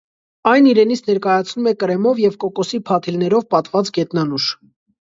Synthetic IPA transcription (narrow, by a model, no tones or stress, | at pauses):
ɑjniɾɛnit͡sʰnɛɾkɑjɑt͡sʰnumɛkəɾɛmɔvjɛvkɔkɔsipʰɑt̪ʰilnɛɾɔvpɑt̪vɑt͡sɡɛt̪nɑnuʃ